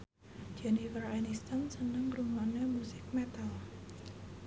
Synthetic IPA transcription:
d͡ʒɛnifəranist̪ansənəŋrumanemusɪk̚mɛt̪al

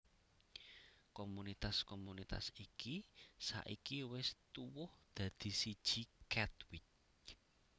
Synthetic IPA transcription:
komunit̪askomunit̪a̰sikisa̰ʔḭkiwɪst̪uwʊhd̪̥ä̤d̪̥i̤sid̥ʒ̥ikɛt̪wɪt͡ʃ

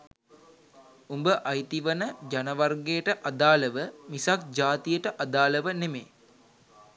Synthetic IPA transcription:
umbəʔajt̪iʋənəd͡ʒanəʋarɡejəʈəʔad̪aːləʋəmisak̚d͡ʒaːt̪ijəʈəʔad̪aːləʋənemeː

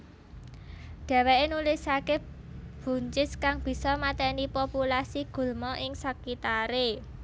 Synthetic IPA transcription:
ɖ̥ɛ̤weʔenulisakeb̥ṳɲt͡ʃɪskaŋb̥i̤sɔmat̪ɛnipopulasiɡ̥ṳlmɔʔɪŋsəkit̪aɾe

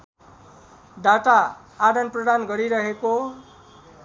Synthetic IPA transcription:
ɖaʈaː | dʌnprʌɽanɡʌɾiɾʌɦeko

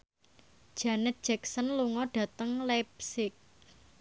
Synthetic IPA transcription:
d̥ʒ̥a̤nɪt̪̚d̥ʒ̥ɛksənluŋɔɖ̥ä̤t̪əŋlɛp̚sɪk̚

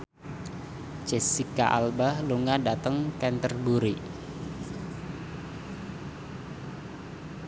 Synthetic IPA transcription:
t͡ʃɛsikaʔalbahluŋadat̪əŋkɛnt̪ərbuɾi

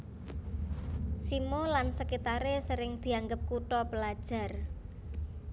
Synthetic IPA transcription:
simolansəkit̪aɾesəɾɪŋd̪̥i̤aŋɡəp̚kuʈɔpəlad̥ʒ̥a̤r

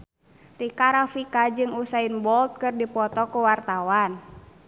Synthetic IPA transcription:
rikaɾafikad͡ʒɨŋusainbɔlt̪̚kɨrdipɔt̪ɔkuwart̪awan

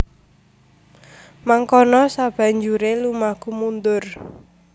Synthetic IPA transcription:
maŋkɔnɔsab̥a̤ɲd͡ʒuɾelumahkumund̪ʊr

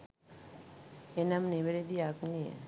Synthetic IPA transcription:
enamneβeɾed̪iakniḛ

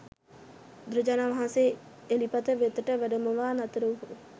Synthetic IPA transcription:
d̪ɾud͡ʒanaʋaɦãnse | elipat̪əʋet̪əʈəʋæɖəməʋaːnat̪əɾəʋɦo

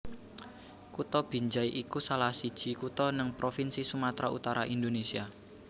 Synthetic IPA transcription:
kut̪ɔb̥i̤ɲd͡ʒaiʔikusalahsid̥ʒ̥i̤kut̪ɔnəŋpɾofinsisumat̪ɾaṵt̪aɾaʔind̪onesia

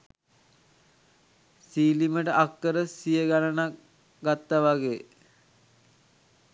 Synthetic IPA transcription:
siːliməʈəʔakːəɾəsijəɡalənak | ɡat̪ːaʋaɡeː

